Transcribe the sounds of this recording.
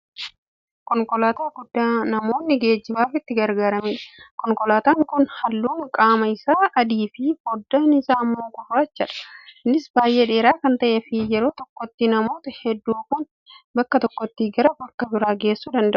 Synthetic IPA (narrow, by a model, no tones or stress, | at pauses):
kɔŋkɔlaːt̪aːɡʊd̪ːaːnɐmo̞ːnːɪɡe̞ːd͡ʒːɪbaːfɪt̪ːɪɡɐɾɡaːɾɐmiːᶑɐ̥kɔŋkɔlaːt̪aːŋkʊnhɐlːuːŋkʼaːmɐɪsaːʔɐd̪iːfɪfɔd̪ːanɪsaːɐmːoːkʊraːt͡ʃːɐᶑɐ̥nɪsbaːjʔeːᶑeːɾaːkɐnt̪ɐʔɛfɪjɛɾo̞ːt̪ɔkːɔt̪ːinɐmo̞ːt̪ɐhɛd̪ːuːkʊn | bɐkːɐt̪ɔkːɔt̪ːiːɡɐɾɐbɐkːɐbɪɾaːɡe̞ːsːuːd̪ɐnd̪ɐʊʔʊ